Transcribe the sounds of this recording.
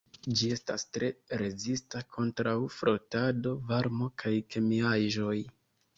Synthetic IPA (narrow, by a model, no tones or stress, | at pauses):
d͡ʒie̞stastɾe̞ɾe̞zistakʰo̞ntɾawfɾo̞tado̞vaɾmo̞kʰajke̞miaʒo̞j